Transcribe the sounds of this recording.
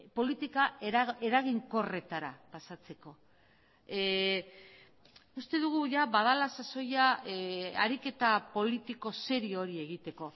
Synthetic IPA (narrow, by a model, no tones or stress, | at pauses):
po̞lit̪ikae̞ɾaɣ̞iŋko̞re̞t̪aɾapasat͡se̞ko̞ | ust̪e̞ðuɣ̞uʝaβaðalasaso̞ja | a̰ɾike̞t̪apo̞lit̪iko̞se̞ɾio̞ɾie̞ɣ̞it̪e̞ko̞